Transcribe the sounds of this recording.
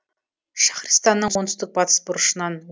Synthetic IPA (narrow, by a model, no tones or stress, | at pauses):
ʃɑ̥χrʲist̪ɑnːəɴwont̪ə̥st̪ək̚bɑt̪ʰə̥sbʊɾəʃənːɑn